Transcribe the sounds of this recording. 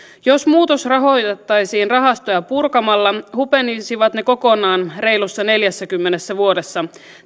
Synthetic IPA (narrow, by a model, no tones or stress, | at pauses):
jo̞smuːt̪osrɑɦo̞jt̪et̪ːɑjsiːnrɑɦɑst̪ojɑpurkɑmɑlːɑhupe̞nisiʋɑt̪ne̞ko̞ko̞nɑːnre̞jlusːɑne̞ljæsːækymːenesːæʋuo̞desːɑ